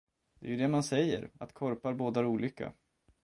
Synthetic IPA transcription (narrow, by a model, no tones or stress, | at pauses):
d̪̥ɛ̰jɵd̪ɛmansɛjːə̰ɾat̪kʰɔɾpaɾboːd̪aɾuːlʏkːa̰